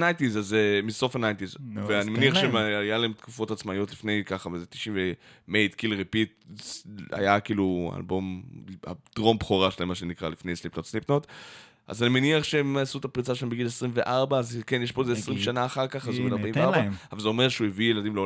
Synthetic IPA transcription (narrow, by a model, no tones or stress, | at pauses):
najntizazemiso̞fanajntizveanimeniaχʃejalaemt̪kufo̞tat͡smajo̞tlifne̞jkaχavezet̪i̥ʃiɱve | mejt̪kilʁipit̚ | a̰jakiːlua̰lbo̞ma̰d̥ʁo̞mbχoʁaʃelaemaʃenikʁalifnejsnlipnotsnipnot | a̰zanimeniaχʃeemasut̪apʁit͡saʃelembeɡilesʁimve̞ʔaʁbaːzkenjeʃpo̞ezeːsʁimʃanaːχaʁkaχazumidaʁbaimeaʁbaavalzeomeʁʃeuevijeladimlo